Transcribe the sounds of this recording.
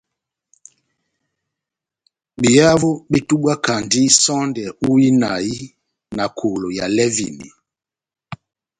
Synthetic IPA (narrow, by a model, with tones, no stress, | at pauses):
ɓi˨ja˦vu˦ɓe˦tu˦ɓa˦ka˨ndi˦sɔ˦ndɛ˨u˦i˦na˨i˦ | na˨kʰo˨lo˨ja̰˨lɛ˦vḭ˨nḭ˨